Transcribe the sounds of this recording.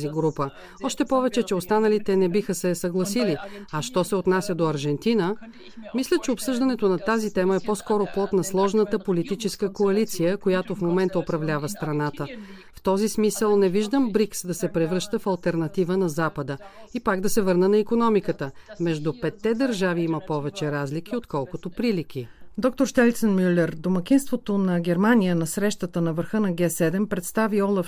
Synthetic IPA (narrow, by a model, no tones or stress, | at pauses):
ziɡɾupə | ɔʃt̪ɛpɔvɛt͡ʃɛt͡ʃɛost̪anəlit̪ɛnɛbixəsɛsɐɡlˠɐsiliɐʃt̪ɔsɛot̪nasʲjəd̪oɐɾʒɛnt̪inə | mislʲət͡ʃɛopsɤʒd̪ɐnɛt̪onɐt̪azit̪ɛməɛpɔskɔɾoplˠɔt̪nɐslˠɔʒnət̪əpolit̪it͡ʃɛskəkoɐlit̪sijəkojat̪ofmomɛnt̪əopɾɐvlʲavəst̪ɾɐnat̪ə | ft̪ɔzismisəlˠnɛviʒd̪əmbɾiksd̪ɐsɛpɾɛvɾɤʃt̪əfɐlˠt̪ɛɾnɐt̪ivənɐzapəd̪əipaɡd̪ɐsɛvɤɾnənɐikonɔmikət̪əmɛʒd̪upɛt̪ːɛd̪əɾʒaviiməpɔvɛt͡ʃɛɾazlik̟iot̪kɔlˠkot̪opɾilik̟ʲid̪ɔk̚t̪oɾʃt̪ɛlʲt̪sənmylɛɾd̪omɐk̟ʲinst̪vot̪onɐɡʲɛɾmanijənɐsɾɛʃt̪ət̪ənɐvəɾxɤnɐɡʲɛsɛd̪ɛmpɾɛt̪st̪aviɔlˠɐf